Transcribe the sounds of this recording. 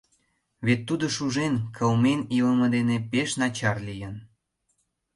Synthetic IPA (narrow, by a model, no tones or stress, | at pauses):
βet̪ːud̪oʃuʒenkʰəlmeniləmə̆d̪enepeʃnɑt͡ɕɑrlijən